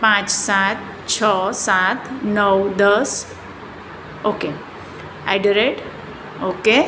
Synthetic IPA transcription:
pãt͡ʃsat̪̚ | t͡ʃʰəsat̪ʰnəwd̪əs | oke | a̰jɖəɾeʈ | oke

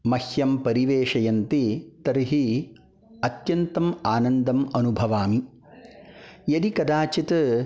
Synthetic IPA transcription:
mɐhjɐmpɐɾiʋeːʂɐjɐnt̪it̪ɐɾiɦi | ɐt̪jɐnt̪ɐmaːnɐnd̪ɐmɐnubʱɐʋaːmi | jɐd̪ikɐd̪aːt͡ʃit̪ɐ

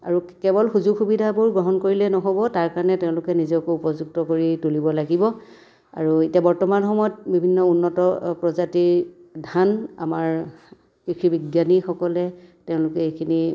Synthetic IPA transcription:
a̰ɹu | kɛbɔlxuzuɡʰxubidʱabuɹɡɹɔɦɔnkoɹilɛnɔɦobɔtaɹkaɹnɛtɛʊ̃lʊkɛnizɔkoupɔzuɡ̚tɔkoɹitulibɔlaɡibɔ | a̰ɹuitiabɔɹtɔmanxɔmɔjɔt̚bibʱinːɔunːɔtɔpɹɔzatiɹdʱana̰maɹ | kikʰɹibiɡjanixɔkɔlɛtɛʊ̃lʊkɛejkʰini

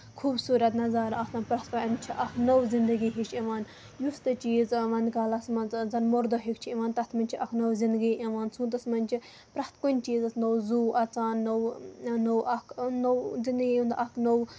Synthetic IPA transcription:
kʰuːbsuːɾɐt̪nɐzaɾɐktanpɾɐht̪̚koɐnt͡ʃʰiʔɐkʰnowzind̪əɡiɦiʃiʋaːn | just̪ɨt͡ʃiːzʋɐnd̪kaːlɐsmɐnt͡szɐnmoɾd̪oɦikt͡ʃʰiiʋaːnt̪ɐt̪ʰmɐnʲt͡ʃʰiʔɐkʰnowzind̪ɡiʔiʋaːnsʰũːt̪̬ɐsmɐnʲt͡ʃʰi | pɾɐt̪kunʲt͡ʃiːzɐsnowzuːɐt͡saːnːownowɐkʰnowzind̪əɡiũnd̪ɐkʰnow

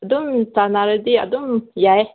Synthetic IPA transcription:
dumtanaɾədia̰dumjae

